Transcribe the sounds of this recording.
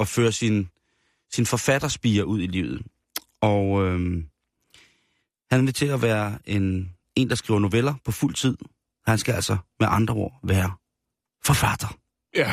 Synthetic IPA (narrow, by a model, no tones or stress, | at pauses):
ɒ̽føːɐsin | sinfɒ̽fæd̥ɐsb̥iːɐʔuð̞̰ˠilḭːʊð̞̩ˠ | ɒ̽ø | hænʋe̝t͡sʰe̝lɒʋæːɐe̝n | e̝ːnd̥ɑ̈sɡ̥ʁḭːʊɐno̝ʋelɐpʰɒ̽ful̰t͡sʰið̰ˠ | hænsɡ̥ææl̰sɒmeʔɑ̈nd̥ʁɐo̝ɐ̰ʋæːɐ | fɒ̽fæd̥ɐ